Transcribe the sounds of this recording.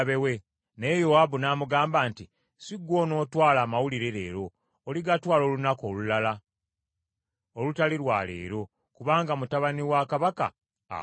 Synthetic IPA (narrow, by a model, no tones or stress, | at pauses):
βewe̞ | nejowabunaːmuɡaːmbaːnti | siɡwo̞ːno̞ːtwaːlaːmawuliɾe̞ɾe̞̰ːɾo̞ː | liɡatwaːlo̞ːlunako̞ːlulala | olutaliɾwa̰lḛːɾo̞ | kuβaːŋɡamutaβaniwakaβaka̰